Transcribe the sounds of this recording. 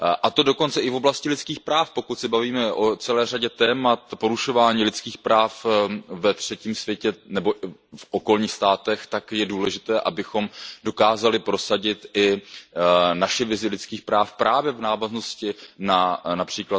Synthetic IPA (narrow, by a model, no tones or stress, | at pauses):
ʔat̪odo̞ko̞nt͡sɛʔɪvo̞blascɪlɪtt͡skiːxpɾaːfpo̞kuc̪sɪbaviːmɛʔo̞t͡sɛlɛːraɟɛt̪ɛːmat̪po̞ɾuʃo̞vaːɲiːlɪtt͡skiːxpɾaːfvɛt̪r̝̥ɛciːmsvjɛcɛnɛbo̞ʔfʔo̞ko̞lɲiːxst̪aːt̪ɛxt̪akjɛduːlɛʒɪt̪ɛːʔabɪxo̞mdo̞kaːzalɪpɾo̞saɟɪt̪ʔɪ | naʃɪvɪzɪlɪt͡skiːxpɾaːfpɾʔaːvjɛvnaːvazno̞scɪnanapr̝̥iːkla